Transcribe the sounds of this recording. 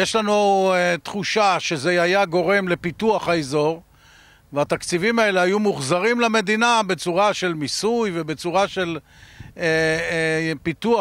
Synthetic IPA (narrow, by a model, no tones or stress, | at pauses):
jeʃlanuet̪χuʃaʃe̞zeajaɡo̞ʁe̞mle̞pit̪uaχaezo̞ʁ | veat̪akt͡sivimae̞leajumuχzaʁimlame̞d̪inabe̞t͡suʁaʃe̞lmisujvebe̞t͡suʁaʃe̞l | e | pit̪ua